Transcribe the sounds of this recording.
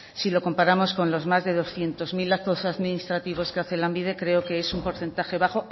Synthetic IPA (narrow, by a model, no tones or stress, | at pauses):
silo̞ko̞mpaɾamo̞sko̞nlo̞zmazðe̞ð̞o̞sθje̞nt̪o̞zmilat̪osaðminist̪ɾat̪iβ̞o̞skeaθe̞lambiðe̞kɾe̞oke̞esumpo̞ɾθe̞nt̪axe̞βaχo̞